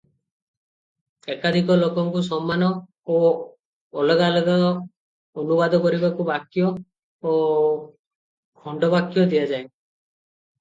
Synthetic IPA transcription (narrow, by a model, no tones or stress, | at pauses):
ekad̪ʱikɔlɔkɔŋkus̬ɔmːanɔ | oː | lɔɡalɔɡa | ɔnubad̪ʱɔkɔɾibakubakjɔː | kʰɔɳɖɔbakjɔd̪ijad͡ʒae